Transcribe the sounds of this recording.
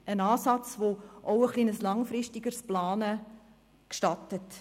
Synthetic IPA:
ənɑːsɑt͡svoʔoʊəχlinəslɑŋfrɪʃtiɡərsplɑːnə | kʃtɑtət

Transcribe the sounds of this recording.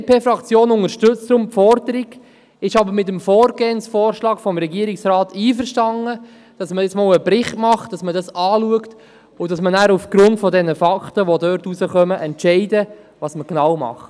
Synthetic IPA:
pʰeːfɾɑkt͡sjoːnʊŋəɾʃtʏt͡stɾʊmpfɔɾd̪əɾiɡ | ɪʃɑbəɾmɪt̬əmfɔːɾɡeːənsfɔːɾʃlɑːɡfɔmɾɛɡiːəɾɪksɾɑːtʰiːfəʃtɑŋːə | d̥ɑsməɪt͡smɔːləbɾɪχtmɑχt̚d̥ɑsmədɑsɑːluəkt | ʊdɑsmənæːɾufɡ̥ɾʊntfɔdɛnːəfɑkχtəʋodœːɾtusəχœməʔɛntʃɛɪdə | ʋɑːsməknɑwmɑ̰χt

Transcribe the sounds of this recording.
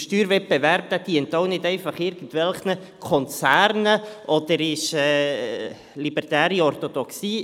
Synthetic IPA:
ʃtyːɾvɛt̚b̥ɛvæɾb̚d̥æd̥̪iəntoʊnɪdɛɪfɑχɪɾɡ̥ən̩tʋɛlχnə | kʰɔnt͡sæːɾnəʔɔd̪̥əɾɪʃɛː | libərtæːɾiɔrtod̥̪ɔksiː

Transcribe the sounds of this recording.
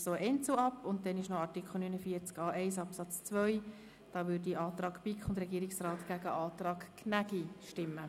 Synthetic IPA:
soːʔɛnt͡suɑpːʊnt̚dɛnɪʃnɔɑɾtikʰχl̩ˠnynəfiːəɾt͡skɑːʔɛɪsɑpsɑt͡st͡sʋœʏ | d̥ɑːʋʏːɾdiʔɑːt̪rɑːɡpɪkχʊndɾɛɡiːɾɪksrɑːtɡ̥æɡəʔɑːt̪rɑːkkʰnæɡiʃtɪmːə

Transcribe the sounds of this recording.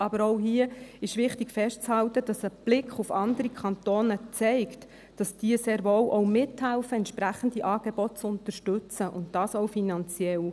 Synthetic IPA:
ʔɑbəɾɔʊɦiəɪʃʋɪχtikfɛʃtt͡shɑltəd̥ɑsəb̥lɪkʰχufɑndəɾikʰχɑnt̪oːnət͡sɛɪkt | d̥ɑsd̥iəseːɾʋowʔɔwmɪthælfəɛnt̪ʃpɾæχən̩d̥iʔɑːɡ̥ebɔtt͡sʊnt̪əɾʃtɵt͡səʔʊ̰ntd̥ɑːsɔwfinɑnt͡sjɛl

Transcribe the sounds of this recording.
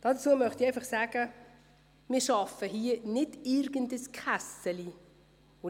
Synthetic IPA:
d̥ɑdət͡suːəmœχtiɛɪfɑχsæːɡ̥ə | mɪːʃɑfəɦiənɪdɪɾɡ̥əndəskʰχasəli | ʊ

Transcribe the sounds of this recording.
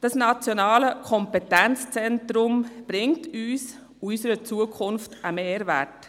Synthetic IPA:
d̥ɑsnɑt͡sjɔnɑːləkʰɔmpɛtɛnt͡st͡sɛntɾʊmb̥ɾɪŋtyːs | uysəɾət͡suəkʰʊnftəmeːɾvæ̰t

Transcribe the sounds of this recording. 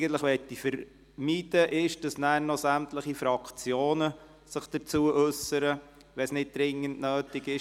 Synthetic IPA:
ɡən̩t̪ləχʋɛtːifəɾ | miːd̥əʔɪʃd̥ɑsnæːɾnɔsæmtləχifɾɑkt͡sjoːnə | səχd̥ət͡suːəʔɵsəɾə | ʋɛsnɪt̚d̥ɾɪŋːəntnøːtɪɡɪʃ

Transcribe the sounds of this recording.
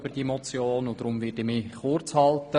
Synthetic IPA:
b̥əd̥iəmɔt͡sjoːnʊd̥̪ɾʊmvɪtɪmiχʊrt͡shɑltə

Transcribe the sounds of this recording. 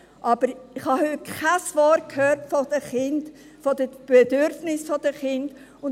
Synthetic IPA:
ʔɑb̥əɾɪχhɑhøkʰasvɔɾt̚kʰhøːtfɔdəχɪnd | fɔdəb̥ɛdʏɾfnɪsfɔd̥əχɪnd | ʊn

